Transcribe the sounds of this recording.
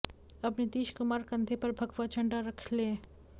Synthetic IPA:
ɐpned̪iːʃkʊmaːɾkɐ̃nd̪ʱepɐɾbʱɐɡʋat͡ʃʰɐ̃ɳɖaɾɐkʰle

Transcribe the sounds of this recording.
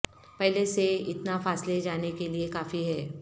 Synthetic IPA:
pɛɦleseɪt̪nafaːsled͡ʒaːnekeliekaːfiɦɛː

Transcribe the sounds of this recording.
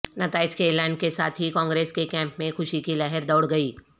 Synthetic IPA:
nɐt̪aːɪd͡ʒkeːlaːɪnkesaːt̪ʰɦikɔ̃ːŋɡɾeːskekɛ̃ːmpmẽxʊʃikilaɦəɾd̪ɐʊɽɡɐiː

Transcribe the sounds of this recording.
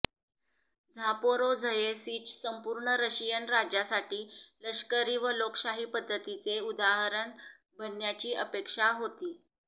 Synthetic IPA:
d͡zʱapoɾod͡zʱəjesiːt͡ɕsəmpuːɾɳəɾəɕijənɾad͡ʑasaʈiːləʂkəɾiːʋəloksaɦiːpəd̪ʱːət̪it͡seud̪aɦɾəɳ | bʱənjat͡ɕiːʔəpekʂaɦot̪iː

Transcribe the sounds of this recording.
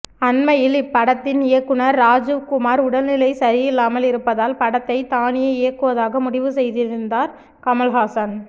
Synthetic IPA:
ɐnmɐjɪlɪpːɐɽɐt̪ːɪnɪjɐkːɯnɐɾːaːd͡ʒɯʋkʊmaːɾʊɽɐlnɪlɐɪsɐɾɪjɪlːaːmɐlɪɾɯpːɐðaːlpɐɽɐt̪ːɐɪt̪aːnɪjɐɪjɐkːɯʋɐðaːɣɐmʊɽɪʋɯsɛjðɪɾɯnd̪aːɾ | kɐmɐlɦaːsɐn

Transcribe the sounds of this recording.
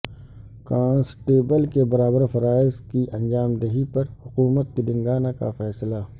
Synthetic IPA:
kãːnsʈeːbəlkebɐɾaːbəɾfɐɾaːɪzkiʔɐ̃nd͡ʒaːmd̪ɐɦipɐɾhʊkuːmət̪̚kid̪ɪ̃ŋɡaːnaka̰fɛːsla

